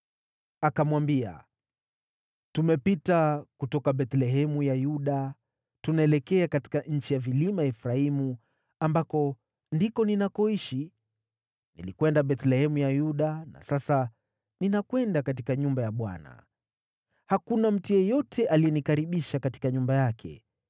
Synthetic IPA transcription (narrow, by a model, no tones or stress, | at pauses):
akamwambia̰ | tumɛpitakutɔkaɓɛt̪lɛɦɛmujajuɗa | tunaɛlɛkɛakati̥kaʔɲ̩t͡ʃijavilimaɛfɾaimu | ambakɔ | ndikɔninakɔiʃi | nilikwɛndaɓɛt̪lɛhɛmujajuɗana̰sasa | ninakwɛndakat̬ikaɲumbajaɓwa̰na̰ | hakunam̩tujɛjɔtʰɛʔalijɛnikaɾiɓiʃakati̥kaɲumbajakʰɛ̰